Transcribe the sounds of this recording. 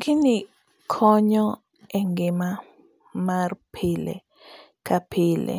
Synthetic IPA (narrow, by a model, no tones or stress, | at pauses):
kʰini | kʰɔɲɔ | ɛŋɡɪma | marpʰɪlḛ | kapʰɪlḛ